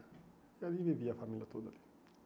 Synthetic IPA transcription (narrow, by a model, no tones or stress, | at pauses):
jad̪ibeviafamilat̪od̪a̰li̥